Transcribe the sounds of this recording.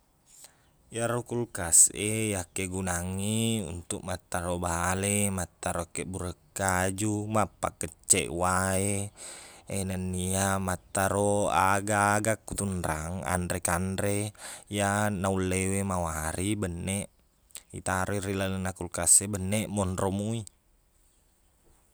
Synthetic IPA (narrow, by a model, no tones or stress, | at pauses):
jaɾokulkasejakeɡunaŋiṵnt̪uk̚mat̪ːaɾobaɦalemat̪ːaɾokeʔbuɾəkːad͡ʒumapːakːət͡ʃːḛʔwae | enənːiamat̪ːaɾoaɡaɡakːut̪unɾaŋa̰ndɾekandɾejanaulːewemawaɾibənːeʔ | ḭt̪aɾʔoiɾilalənakulkasebənːeʔmɔnɾomui